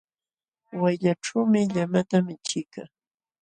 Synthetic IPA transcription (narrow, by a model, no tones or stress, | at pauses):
wajʎaʈ͡ʂawmɪʎamat̪amɪt͡ʃɪka